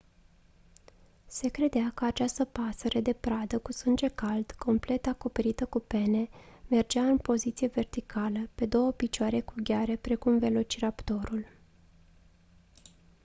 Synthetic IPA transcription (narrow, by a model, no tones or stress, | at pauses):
se̞kɾe̞d̪eakəat͡ʃast̪əpasəɾed̪e̞pɾad̪əkusɨnd͡ʒe̞kald̪̥kʰo̞mple̞t̪ako̞pe̞ɾit̪əkupe̞ne̞me̞rd͡ʒeaɨnpo̞zit̪sieve̞rt̪ikʰaləpe̞d̪o̞wəpit͡ʃoaɾe̞kuɡʲaɾe̞pɾe̞kumve̞lo̞t͡ʃiɾapt̪o̞ɾul